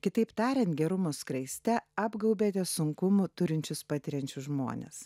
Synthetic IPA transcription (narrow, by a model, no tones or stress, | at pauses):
kʲɪt̪ɐɪpt̪ɑːɾʲɛnt̪̚ɡʲɛɾʊmoːskɾɐɪsʲt̪ʲɛɑːbɡɐʊbʲeːt̪ʲɛsʊŋkʊmʊt̪ʊɾʲɪnʲt͡ʃʲʊspɑːt̪ʲɪɾʲɛnʲt͡ʃʲʊʒmo̰ːnʲḛs